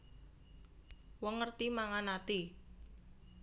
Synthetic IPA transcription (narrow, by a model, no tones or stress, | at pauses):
wɔŋːərt̪imaŋanat̪i